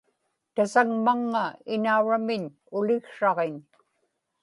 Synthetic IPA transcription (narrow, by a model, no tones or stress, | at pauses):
t̪asaŋmaŋːaɪnauɻamɪɲ | ʊlɪɣʂɑʁeɲ